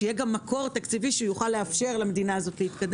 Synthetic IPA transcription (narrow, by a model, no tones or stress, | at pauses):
jeɡamːakʰo̞ʁt̪akt͡siviʃujuχalːe̞afʃe̞ʁlamed̪inaːzo̞t̪veit̪kad̪